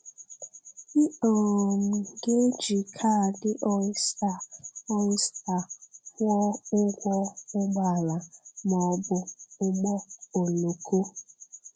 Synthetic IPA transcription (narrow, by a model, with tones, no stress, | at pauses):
i˦o˨m̩˨ɡe˦d͡ʒi˨kʰa˦˨dɪ˦ʔɔ˦ɪ˦sta˨ɔ˦ɪ˦sta˨hɔ˦ʊ˦ɡʷɔ˦ʊ˦ɡ͡ba˦˨la˨mɔ˨bʊ˦ʊ˦ɡ͡bɔ˦o˨lo˨ko˦